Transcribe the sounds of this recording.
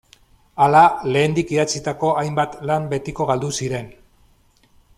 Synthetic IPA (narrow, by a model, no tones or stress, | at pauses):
alale̞ːnd̪ikiðat͡sit̪ako̞ʔajmbat̪lambe̞t̪iko̞ɣald̪usiɾe̞n